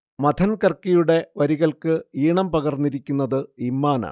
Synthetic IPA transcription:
mɐd̪ʰʱɐnkɐrkijuɽe̞ʋɐɾiɣɐɭkɨiːɳɐmpɐɣɐrnːiɾikʲːunːɐðɨimːaːnɐ̰

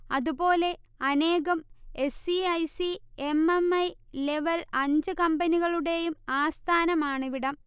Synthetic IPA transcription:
ɐðubo̞ːle̞ | ɐne̞ːɣɐme̞siɐjsiememɐj | le̞ʋɐlɐɲd͡ʑɨkɐmbɐniɣɐɭuɽe̞jumaːst̪ʰaːnɐmaːɳɨʋiɽɐm

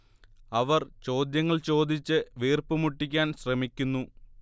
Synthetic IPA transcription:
ɐʋɐrt͡ɕo̞ːd̪jɐŋːɐɭt͡ɕo̞ːd̪it͡ɕːɨʋiːrpɨmuʈːikʲːaːnɕrɐmikʲːunːu

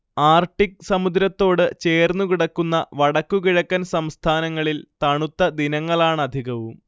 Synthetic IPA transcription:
aːrʈːik̚sɐmud̪ɾɐt̪ːo̞ːɽɨt͡ɕe̞ːrnːukiɽɐkːunːɐʋɐɽɐkːukiɻɐkːɐnsɐmst̪ʰaːnɐŋːɐɭilt̪ɐɳut̪ːɐd̪inɐŋːɐɭaːɳɨɐd̪ʱiɣɐʋum

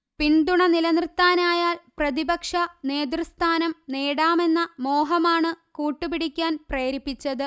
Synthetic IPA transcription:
piɳd̪uɳɐnilɐnrɨt̪ːaːnaːjaːlprɐðibɐkʂɐneːd̪rɨst̪ʰaːnɐmneːɽaːme̞nːɐmo̞ːɦɐmaːɳɨkuːʈːɨpiɽikʲːaːnpreːɾipːit͡ɕːɐðɨ

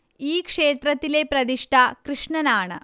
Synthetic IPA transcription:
iːkʂeːt̪ɾɐt̪ilepɾɐd̪iʂʈʰakɾɨʂɳɐnaːɳɐ̰

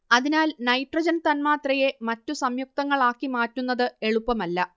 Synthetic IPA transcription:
ɐðinaːlnɐjʈrɐd͡ʑɐnt̪ɐnmaːt̪rɐje̞mɐtːusɐmjuk̚t̪ɐŋːɐɭaːkːimaːtːunːɐðɨe̞ɭupːɐmɐlːɐ

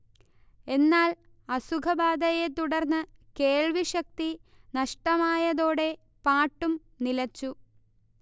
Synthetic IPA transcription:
e̞nːaːl | ɐsukʰɐbaːd̪ɐje̞t̪uɽɐrnːɨke̞ːɭʋiɕɐk̚t̪inɐʂʈɐmaːjɐðo̞ːɽe̞ | paːʈːum | nilɐt͡ɕːu

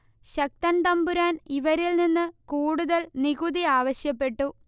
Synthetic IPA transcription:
ɕɐk̚t̪ɐnt̪ɐmbuɾaːniʋɐɾilninːɨkuːɽuðɐlniɣuðiaːʋɐɕjɐpːe̞ʈːu

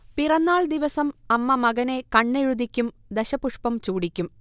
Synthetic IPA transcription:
pirɐnːaːɭd̪iʋɐsɐmɐmːɐmɐɣɐne̞kɐɳːeɻud̪ikʲːum | d̪eɕɐpuʂpɐmt͡ɕuːɽikʲːum

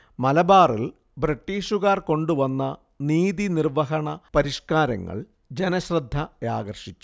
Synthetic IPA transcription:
mɐlɐbaːrḭl | briʈːiːʂuɣaːrko̞ɳɖuʋɐnːɐ | niːðinirʋɐɦɐɳɐpɐɾiʂkaːɾɐ̰ŋːɐ̰ɭ | d͡ʑenɐɕrɐd̪ʱːɐja̰ːɣɐrʂit͡ɕːu̥

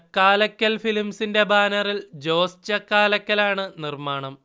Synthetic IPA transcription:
kːaːlɐkʲːɐlfilimsinde̞baːnɐrild͡ʑo̞ːst͡ɕɐkːaːlɐkʲːɐlaːɳɨnirmaːɳɐm

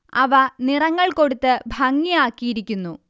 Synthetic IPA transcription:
ɐʋɐnirɐŋːɐɭko̞ɽut̪ːɨbʱɐŋːijaːkːijiɾikʲːunːu

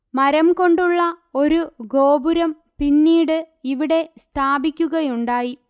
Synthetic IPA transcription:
mɐɾɐmko̞ɳɖuɭːɐo̞ɾuɡo̞ːbuɾɐm | pinːiːɽɨ | iʋiɽe̞st̪ʰaːbikʲːuɣɐjuɳɖaːji

